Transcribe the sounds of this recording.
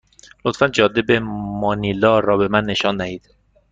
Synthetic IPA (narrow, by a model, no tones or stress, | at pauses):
lot̪fænd͡ʒɒːd̪ebemɒnilɒːɾɒːbe̞mænːe̞ʃɒːnd̪æhiːd̪̥